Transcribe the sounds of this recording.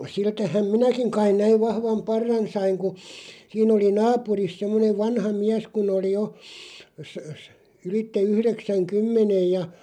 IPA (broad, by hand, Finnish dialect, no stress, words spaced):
siltæhæm minækiŋ kɑin næiʋ ʋɑhʋɑm pɑrːɑn sɑiŋ ku siːn oli nɑːpuris semːoneʋ ʋɑnhɑ miæs kun oli jo sə sə ylitːe yhreksæŋkymːenej jɑ